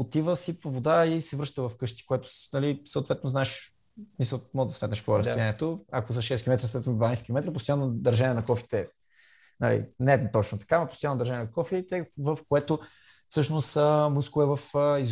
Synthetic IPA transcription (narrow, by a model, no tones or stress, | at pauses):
ot̪ivəsipovod̪aisɛvɾɤʃt̪əvɐfkɤʃt̪i̥koɛt̪o̥nɐlisəot̪vɛt̪noznaɛʃ | misəlˠmɔɡd̪ɐsmɛt̪nəʃpoɾəsijaniɛt̪oakozəʃɛskʲilomɛt̪ɾəsɛvnd̪vanajskʲilomɛt̪ɾəpost̪ʊanːod̪ɐɾʒaniɛnɐkɔfi̥t̪ɛ | na̰lḭnɛt̪ɔt͡ʃnot̪ɐ̥kamɐpost̪ʊjanːod̪ɐɾʒanjɛnɐkɔfit̪ɛvəfkoɛt̪o | fsɤʃnost̪əmuskʊɛvɐfəiz